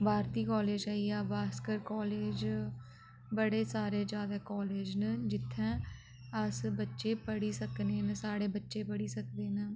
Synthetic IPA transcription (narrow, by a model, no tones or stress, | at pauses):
baːɾt̪iːkɔːleːd͡ʒaːiɛːbaːskəɾkɔːleːd͡ʒ | bəɽeːsaːɾeːd͡ʒjaːd̪aːkɔːleːd͡ʒnəd͡ʒɪt̪ʰːɛ̃ː | əsbətːʃeːpəɽiːsəkneːnəsaːɽeːbətːʃeːpəɽiːsəkd̪eːnə